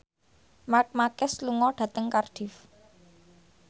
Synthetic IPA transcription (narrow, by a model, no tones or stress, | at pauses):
mak̚makɛsluŋɔɖ̥a̤t̪əŋkard̥i̤f